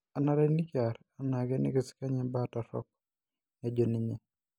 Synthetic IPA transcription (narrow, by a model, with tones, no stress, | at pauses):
a˨na˦ɾɛ˦ni˦ka˨ɾ | a˦na˨ɡɛ˦nɪ̰˦ɡɪ˨ska˦ɲɛ˦bata˨ɾɔ̰˦k̚ | na˦d͡ʒo˨ni˨ɲɛ˨